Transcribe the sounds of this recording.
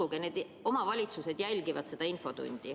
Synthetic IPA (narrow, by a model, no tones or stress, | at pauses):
uɡ̥ene̞ːd̪ | o̞mɑvɑlʲit̪suse̞d̪̥jælʲɡivɑt̪se̞d̪̥ɑinfo̞t̪ṵnʲd̪̥i